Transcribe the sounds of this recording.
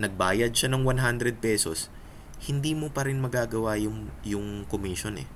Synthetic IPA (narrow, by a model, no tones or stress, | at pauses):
nɐɡ̚baːjɐd̪̚ʃanɐŋwanɦand̪ɾɛd̪̚pɛːso̞̰s | hɪnd̪iːmopɐɾɪnmɐɡaːɡɐwajʊŋjʊŋkomiːʃo̞nɛ̰